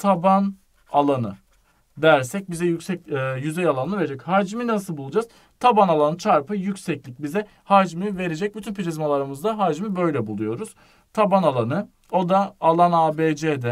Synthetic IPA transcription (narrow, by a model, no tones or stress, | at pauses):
t̪ʰaban | alˠanɯ̰ | d̪æɾsɛc̚bizɛjycsɛcːjyzɛjalˠanɯve̞ɾed͡ʒɛchaɾd͡ʒiminas̬ɯlˠbulˠud͡ʒaːz̥ | t̪ʰabanalˠanɯt͡ʃʰaɾpɯjycsɛclʲic̚bizɛ | haɾd͡ʒimive̞ɾe̞d͡ʒɛc̚byt̪ʰynpiɾizmalˠaɾɯmɯzd̪aɦaɾd͡ʒimibø̞jlʲɛbulˠujo̞ɾuz̥ | t̪ʰabanalˠanɯ | o̞d̪aalˠanaːbed͡ʒed̪ɛ